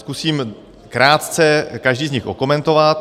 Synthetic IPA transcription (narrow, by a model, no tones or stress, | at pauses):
skusiːm | kɾaːt̪t͡sɛkaʒdiːzɲɪxʔokomɛnt̪o̞vat̪